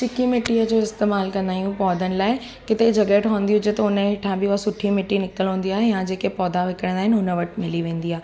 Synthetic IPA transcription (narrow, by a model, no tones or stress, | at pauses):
t͡ɕɪkimɪʈːiəd͡ʑoːɪst̪eːmaːlkɐ̃nd̪aːjũpɔːd̪ʱənɪ̆laːɪ | kɪt̪ed͡ʑʱɐɡeːʈɦoːə̃nd̪iɦʊd͡ʑet̪ɐʊnəɦɪʈʰãbɪʊasʊʈʰimɪʈinɪkəlɦũːn̆d̪iaːɦejãd͡ʑeːkepɔːd̪aʋɪkəɽ̃ə̃nd̪aːɦɪnʊnə̆ʋɐʈʰmɪliʋẽːnd̪iaːɦe